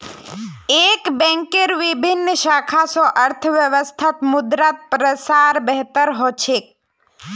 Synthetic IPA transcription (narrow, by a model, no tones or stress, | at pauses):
eːkbɛ̃ŋkeɾʋɪbʱɪnːʃaːkʰasɔʔəɾt̪ʰʋjəʋəst̪ʰat̪mʊd̪ɾat̪̚pɾəsaːɾbɛɦt̪əɾɦot͡ʃʰek̚